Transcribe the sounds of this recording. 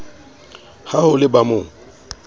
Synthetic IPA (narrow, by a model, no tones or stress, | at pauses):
hahʊlɪbamʊ